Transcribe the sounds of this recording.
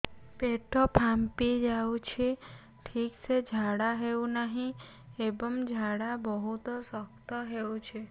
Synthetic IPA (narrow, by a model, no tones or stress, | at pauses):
peʈʰɔpʰampid͡ʒawt͡ʃʰe | ʈʰiksed͡ʒʱaɽaɦeũnəɦĩ | ebəmd͡ʒʱaɽabəɦut̪ɔsəkt̪ɔɦeũt͡ʃʰe